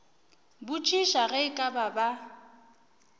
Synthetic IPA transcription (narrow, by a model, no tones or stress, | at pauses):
bʊt͡ʃʼiʃaɣɛkʼababa